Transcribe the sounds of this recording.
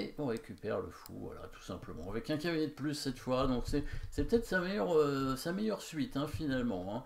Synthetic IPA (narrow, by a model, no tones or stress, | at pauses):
eʔɔ̃ʁekʲypɛʁlə̰fṵa̰la̰t̪ʰu̥sɛ̃pləmɑ̰̃avɛkɛ̃kʲavinɛd̪əplysːɛt̪fwad̪ɔ̃ksɛsɛpøt̪ɛt̪χsamejœʁøsamɛjœʁsɥit̪ɛ̃finalmɑ̃ɛ̃